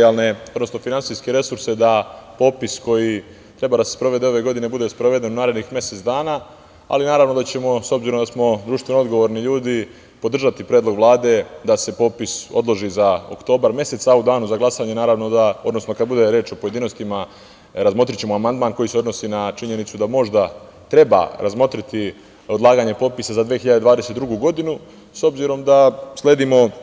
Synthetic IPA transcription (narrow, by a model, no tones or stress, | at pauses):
alne̞o̞d̪no̞sno̞finantsijskeɾe̞suɾse̞d̪apo̞ːpisko̞ji | t̪ɾe̞bad̪asespɾo̞ʋe̞d̪eo̞ʋe̞ɡo̞d̪ine̞bud̪e̞spɾoʋe̞d̪e̞nunaːɾed̪nixmje̞se̞t̪sd̪aːnaː | a̰linaːɾaʋno̞d̪at͡ɕe̞mo̞so̞bziɾod̪asmo̞d̪ɾuːʃt̪ʋenoo̞d̪ɡo̞ʋo̞ɾniʎuːd̪i | po̞d̪r̩ʒat̪ipɾjed̪lˠoɡʋlˠaːd̪e̞d̪ase̞po̞ːpiso̞̰d̪lˠo̞ʒizao̰kt̪o̞ːbaɾmje̞set̪saud̪aːnuzaɡlˠasaɲe̞naːɾaːʋno̞d̪aod̪no̞sno̞kad̪̚bud̪e̞ɾe̞ːt͡ʃo̞po̞je̞d̪iːno̞st̪ima | ɾazmo̞t̪ɾit͡ɕe̞moamand̪maːnko̞jiseo̞d̪no̞siːnat͡ʃiɲe̞nit̪sud̪amo̞ʒd̪a | t̪ɾe̞ba̰ɾʔazmo̞t̪ɾit̪i | od̪lˠaːɡaɲe̞po̞t̪pisazad̪ʋeːxiʎad̪ed̪aːd̪eset̪d̪ɾuɡuɡo̞d̪inu | so̞bziɾo̞md̪asle̞ːd̪imo̞